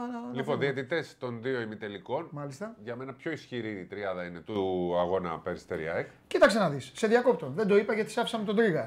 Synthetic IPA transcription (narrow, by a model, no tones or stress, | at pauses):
liponðiɐt̪it̪e̞st̪o̞nðio̞imit̪eliko̞nmɐlist̪ɐʝɐme̞nɐpço̞isçiɾiːt̪ɾiɐðɐine̞t̪uɐɣo̞nɐ̰peɾist̪eɾḭɐ̰ekcit̪ɐkse̞nɐðisːe̞ðjɐko̞p̚t̪o̞nðe̞nd̪o̞ipɐʝɐt̪i̥sɐfisɐmet̪o̞d̪ɾiɣɐ